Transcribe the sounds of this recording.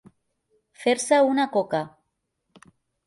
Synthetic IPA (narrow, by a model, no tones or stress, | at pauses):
feɾsaunakoka